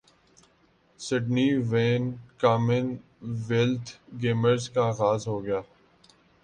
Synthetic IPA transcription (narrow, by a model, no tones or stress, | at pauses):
sɪɖniːʋeːnkaːmɪn | ʋelt̪ʰɡeːməɾzkaɣaːzɦoːɡɐjaː